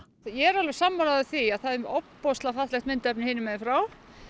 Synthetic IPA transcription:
jɛɛɾalvɪɾ̥samːɔɾaðʏθiaðθaðɪɔppɔst̪lafat̪lɛxt̪mɪnt̪ɛpnɪhɪːnɪmɛðɪfɾaw

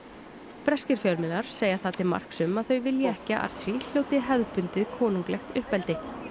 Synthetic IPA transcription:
pɾɛscɪɾfjœɾmɪnaɾ̥seːjaθaːt̪ɪðma̰r̥ksʏmaðθœɥvɪljɛɛhcɪaʔa̰ɾ̥t̪sil̥jowt̪ɪɦɛððpʏnt̪ɪðkʰɔːnuŋklɛxt̪ʏhpɛlt̪ɪ

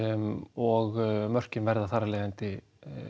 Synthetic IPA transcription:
ɔɣmœr̥cɪnvɛɾðaθaɾːalɛːɣðant̪ɪ

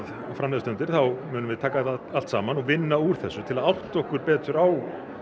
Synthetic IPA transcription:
ð | fɾamlɛðst̪œnt̪ɪɾ̥θawmʏːnʏmvɪðt̪ʰaːkaalt̪saːmanɔɣvɪnːauɾ̥θɛsːʏt̪ʰɪlaðawht̪ɔhkʏɾpɛːt̪ʏɾaw

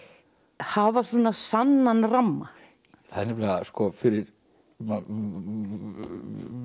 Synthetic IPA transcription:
havaθunːasanːanramːa | θaðnːɛɾplɛaskɔfɪɾɪɾ | m

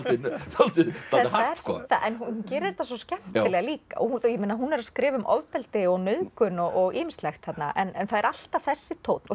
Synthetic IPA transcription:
t̪isalt̪iθɛhaaskɔ̰θaʔɛnɦunhuncɛːɾɪɾɾt̪asɔscɛm̥t̪ɪlɛɣaliːka̰ʔɔ̰hujɛmɪːnaɦunːɛɾaskɾɪːvʏmʔɔ̰vpɛlt̪ɪɔɣnœðkʏnɔɣɔɣiːmɪst̪lɛxt̪hat̪naʔɛnɛnθaðɛɾʔal̥t̪av̥θɛsːɪt̪ʰowt̪nɔ

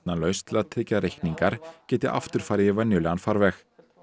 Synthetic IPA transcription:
nalœɥst̪ʰɪlaðt̪ʰɾɪcːaɾejhkniŋkaɾ̥cɛːt̪ɪʔa̰ft̪ʏɾ̥faːjɾɪvɛnːjʏlɛɣanfaɾvɛx

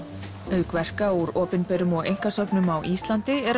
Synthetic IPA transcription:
œɥkvɛr̥kauɾɔːpɪnpɛɾʏmɔɣḛjŋ̥kasœpnʏmawʔiːst̪lan̥t̪ɪɛɾ

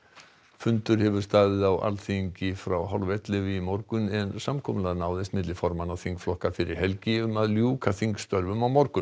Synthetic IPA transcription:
fʏnt̪ʏɾ̥hɛvʏ̥st̪aːðɪðawa̰lθiɲcɪfɾawɦɔ̰lvɛt̪lɪvɪimɔɾkʏnɛnsamkʰɔːmlɛðnaːwðɛst̪mɪt̪lɪfɔɾmanaðθiŋkflɔhkafɪɾɪɾ̥hɛlcɪʏmaðljuːkʰaθiŋkst̪œɾvʏmawmɔɾkʏn

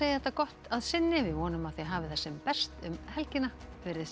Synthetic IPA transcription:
eːjɪθɛht̪akɔht̪aðsɪnːɪvɪvɔːnʏmaðθjɛɦaːvɪθɛsːɛmpɛst̪ʏmhɛlcɪnafɪːɾɪð

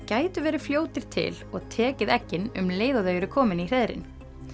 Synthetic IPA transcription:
caːjt̪ʏvɛːɾɪ̥fljoːwt̪ɪɾ̥t̪ʰɪ̰lɔɣt̪ʰɛːcɪðɛcːɪnʏmleːjðaðœɥjʏɾʏkʰɔːmɪnir̥ɛðɾɪ̰n

